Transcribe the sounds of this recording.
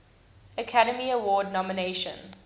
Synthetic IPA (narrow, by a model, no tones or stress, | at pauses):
əkʰaɾəmiəwɔːdⁿnɔməneʃə̰̃n